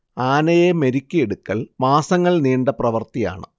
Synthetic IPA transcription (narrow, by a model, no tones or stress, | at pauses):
aːnɐjemeɾikʲːɐeɽukːɐɭmaːsɐŋːɐɭniːɳɖɐprɐʋɐrt̪ija̰ːɳɨ